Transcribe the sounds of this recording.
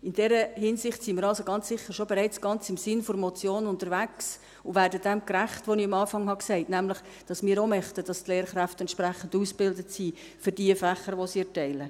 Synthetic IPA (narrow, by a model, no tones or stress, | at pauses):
ɪndɛɾəhɪnsɪχtsimiːɾɑlsoɡ̥ɑnt͡ssɪχːəɾʃobeɾɛɪt͡sɡ̥ɑnt͡sɪmsɪnfoɾmɔt͡sjoːnʊntəɾʋæks | ʊʋæːɾdəd̥ɛmkræχtʋoniɑmɑːfɑŋhɑksɛɪtnæmlɪχ | d̥ɑsmɪːɾomœχtəd̥ɑstleːɾχɾæftɛntt͡ʃpɾæχən̩dusb̥ɪldətsiː | fʏɾd̥iəfæχəɾʋosiɛtɛɪlə